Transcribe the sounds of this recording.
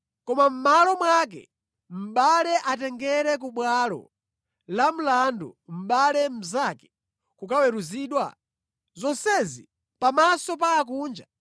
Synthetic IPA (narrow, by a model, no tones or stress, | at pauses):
kɔmam̩malɔmwak̬ɛ̰ | m̩ɓalɛʔatɛŋɡɛɾɛk̬uɓwalɔ̰ | lam̩landṵm̩ɓalɛm̩zakɛ̥ | kukawɛɾuziːɗwa̰ | zɔnsɛzi | pamasɔp̬aːkuːnd͡ʒa